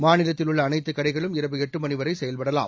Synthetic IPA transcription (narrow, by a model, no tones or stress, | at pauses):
maːnɪlɐt̪ːɪlʊɭːɐːnɐɪt̪ːɯkːɐɽɐɪɣɐɭɯmɪɾɐbɯɛʈrɯmɐnɪʋɐɾɐɪsɛjɐlpɐɽɐla̰ːm